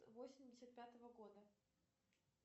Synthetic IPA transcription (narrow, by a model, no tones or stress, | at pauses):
vosʲɪmʲdʲɪsʲət̪̚pʲat̪əvəɡo̞d̪ə